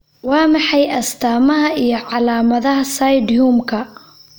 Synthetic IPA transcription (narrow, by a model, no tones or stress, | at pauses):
wɑːmɑħɑjɐst̪ʰaːmɐɦɐijɞʕɑlaːmɐðɐɦɐsɐjd̪juːmkʰɐ